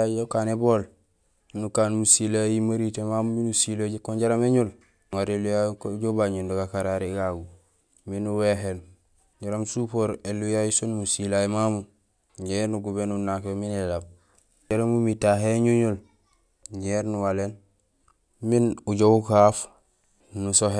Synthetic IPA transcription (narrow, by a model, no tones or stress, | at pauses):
jokaːneboːl | nukaːnmusilajimaɾitemamuminusilaɟekoɲɟaɾameɲul | ŋaɾelujakɟobaɲundoɡakaɾaɾiɡaɡu | minuweɦen | ɟaɾamsupoːɾelujajusonmusilajimamu | ɲeɾnuɡubenunakeminelab̚ | aɾamumitaɦeɲuɲul | ɲeːɾnuwalen | minuɟoukaf | nusoɦe